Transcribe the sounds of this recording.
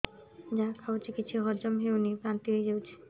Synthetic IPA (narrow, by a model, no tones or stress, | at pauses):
d͡ʑakʰawt͡ɕikiːt͡ɕʰuɦɔɾd͡ʑomɦewnipɾant̪iɦued͡ʑewt͡ɕʰe̥